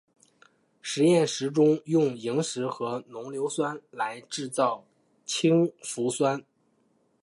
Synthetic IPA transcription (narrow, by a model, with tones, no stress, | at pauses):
ʂɻ̩˧˥jɛ˥˩nʂɻ̩˧˥ʈ͡ʂʊ˥ŋjʊ˥˩ŋi˧˥ŋʂɻ̩˧˥xɤ˧˥nʊ˧˥ŋljo˧˥ʊswa˥nla˧˥ɪʈ͡ʂɻ̩˥˧t͡sɑ˥˩ʊ | t͡ɕʰi˥ŋfu˧˥swa˥n